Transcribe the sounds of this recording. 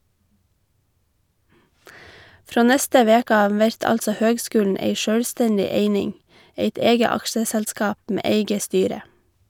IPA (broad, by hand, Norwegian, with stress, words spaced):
ˈfɾoː ˈnɛstə ˈʋeːkə ˈɑːʋ ˈʋɛɾt ˈɑltsə ˈhøːɡˌskʉːln̩ ˈeɪ ˈʃœɽˌstɛndɪ ˈeɪnɪŋ ˈeɪt ˈeːɡə ˈɑkʃəsɛlˌskɑːp ˈmeː ˈeɪɡə ˈstyːɾə